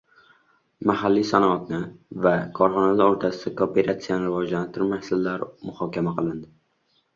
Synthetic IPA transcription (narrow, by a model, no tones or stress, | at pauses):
mahalːijsanɒat̪nɪvakʰɒɾχɒnalaɾoɾt̪ʰasɪd̪akoːpʰe̞ɾat̪sijanɪɾɪvɒd͡ʒlant̪ʰɪɾmahsɪlːaɾmʊhɒkʲʰamaqʰɨlˠɪnd̪ɪ